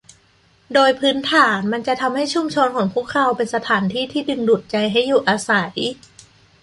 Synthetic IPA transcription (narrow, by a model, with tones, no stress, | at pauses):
doː˧jpʰɯː˦˥nt̪ʰaː˩˦nma˧nt͡ɕa˨˩ʔt̪ʰa˧mha˥˩jt͡ɕʰu˧˥˩mt͡ɕʰo˧nkʰɔː˩˦ŋpʰu˥˩əkʰa˧˥wpe˧nsa˧t̪ʰaː˩˦nt̪ʰiː˥˩t̪ʰiː˥˩dɯ˧˩ŋduː˨˩t̪̚t͡ɕa˧jɦa˥˩jːuː˨˩ʔaː˧sa˩˦j